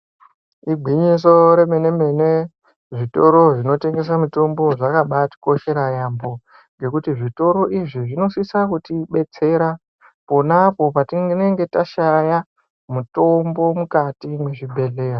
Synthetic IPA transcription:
iɡʱiɲis̬o̞ɾe̞me̞ne̞me̞ne | ʐito̞ɾo̞ʐino̞te̞ŋɡe̞s̬amuto̞mbo̞ʐakaɓati̥ko̞ʃe̞ɾajambo̞ | ŋɡe̞kutiʐito̞ɾo̞ʔiʐiʐino̞sisakutiɓe̞t͡se̞ɾa | po̞napo̞patineŋɡe̞taʃaja | muto̞mbo̞mukatimwe̞ʐibʱe̞ɮe̞ːra

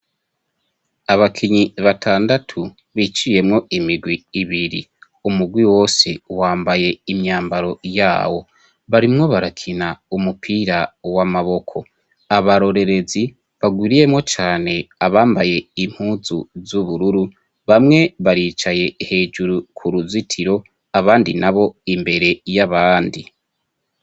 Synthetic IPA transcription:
aβakʰiɲiβatʰaːndatʰu | βit͡ʃije̞mŋo̞imiɾɡwiːβiɾḭ | umuɡwiwo̞ːsewaːmbaje̞imɲaːmbaɾo̞ja̰ːwo̞ | βaɾimŋo̞βaɾakʰinaumupʰiːɾawamaβo̞kʰo̞ | aβaɾo̞ɾe̞ɾe̞zi | βaɡwiːɾije̞mŋo̞t͡ʃaːne̞aβaːmbaje̞im̥huzuzuβuɾuɾu | βamŋe̞βaɾiːt͡ʃaje̞he̞ːd͡ʒuɾukʰuɾuzitʰiɾo̞ | aβaːndinaβo̞imbe̞ɾe̞jaβaːndi

